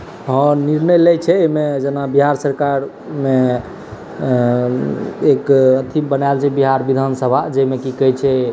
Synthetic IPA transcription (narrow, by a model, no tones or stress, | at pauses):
ɦə̃niɾnəjləjt͡ʃʰɛemed͡ʒenabiɦaɾsəɾkaɾ | me | ekət̪ʰibənalt͡ʃʰɛbiɦaɾbid̪ʱansəbʱad͡ʒɛmekikəɦjt͡ʃʰɛ